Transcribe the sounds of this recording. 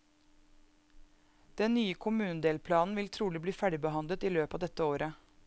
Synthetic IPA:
d̪̥ɛnnyːəkʰʊmʉːnəd̪eːlpʰlɑːnn̩ʋɪlt̪ʰɾuːlɪbliːfæɖɪbəhɑnd̪lət̪iːløːpɑːd̪ɛt̪əoːɾə

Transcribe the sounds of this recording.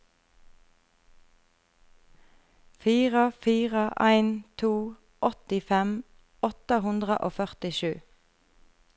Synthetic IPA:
fiːʁəfiːʁəʔæɪnt̪ʰuː | ʔɔt̪ɪfɛm | ɔt̪əhʉnd̪ʁə̰ʔoːfœʁt̪ɪʃʉː

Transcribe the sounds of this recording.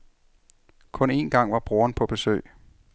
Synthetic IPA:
kʰɔ̽ne̝ːnɡ̥ɑ̈ŋ̰ʋɑ̈b̥ʁoːɐnpʰɒ̽b̥e̝sø̰ɪ̰

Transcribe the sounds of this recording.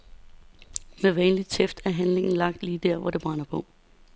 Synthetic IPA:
meʋɛːnli̥t͡sʰefd̥æɐɦænle̝ŋn̩lɑ̈ɡ̥̚d̥liːd̥æɐ̰ʋɒɾ̥e̝b̥ʁɑ̈nɐpʰɔ̽

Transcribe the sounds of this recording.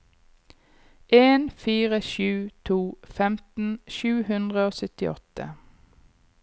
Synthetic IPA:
ʔeːnfiːʁəʃʉːt̪ʰuːfɛmt̪n̩ʃʉːhʉnd̪ʁəoːsœt̪ɪ̰ʔɔ̰t̪ə̰

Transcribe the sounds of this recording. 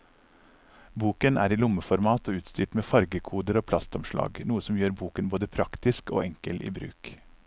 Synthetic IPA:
buːkənʔæ̰ːɾiːlʊməfɔɾmɑːt̪oʉːt̪st̪yːʈmeːfɑɾɡəkʰuːd̪əɾoːpʰlɑst̪ɔmʃlɑ̰ːɡnuːəsɔmjøːɾbuːkənboːd̪əpʰɾɑkt̪ɪsko̰ːʔɛŋkəlʔḭːbɾʉ̰ːk

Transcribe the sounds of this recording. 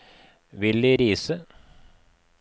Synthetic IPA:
ʋɪld̪iːɾiːsə

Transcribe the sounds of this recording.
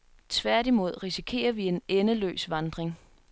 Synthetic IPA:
t͡sʰʋæɐ̰ɾimo̝ð̞̰ˠʁisikʰe̝̰ːɐʋie̝nenəlø̰ːsʋɑ̈nd̥ʁeŋ

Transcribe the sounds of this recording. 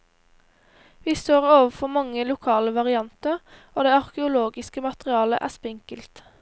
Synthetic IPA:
ʋiːst̪oːʁoːʋəfɔmɑŋəlʊkʰɑːləʋɑʁɪɑnt̪əʁ | oːd̪eːɑʁkəʊloːɡɪskəmɑt̪əʁɪɑːlə̰ʔæ̰ːspɪŋkəlt̪

